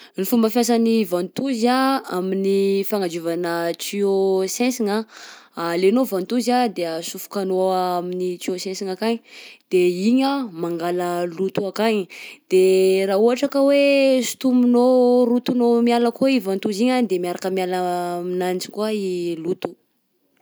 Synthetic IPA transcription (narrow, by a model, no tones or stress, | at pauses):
nifumbəfjas̬anivãnt̪uzaaminifaŋad͡ʒuvanət͡siosɛsiŋaalenovant̪uzad̪eəsufu̥kanoaminit͡siosɛ̃nsiŋakaɲid̪̥eiɲamaŋɡaləlut̪uakaɲd̪̥eraɦuɦaʈ͡ʂakəwesu̥t̪umunorut̪unomialakoivant̪uziɲad̪emiaɾakəmialəminant͡ʃi̥kuailut̪u̥